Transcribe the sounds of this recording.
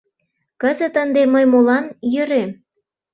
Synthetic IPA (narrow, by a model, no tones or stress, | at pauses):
kəzə̆t̪ənd̪eməjmolɑnjøɾem